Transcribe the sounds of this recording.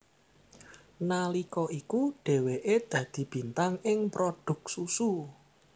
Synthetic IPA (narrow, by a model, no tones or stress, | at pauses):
nalikɔʔikuɖ̥e̤weʔed̪̥ä̤d̪̥i̤b̥i̤nt̪aŋɪŋpɾoɖ̪̥ʊ̤k̚susu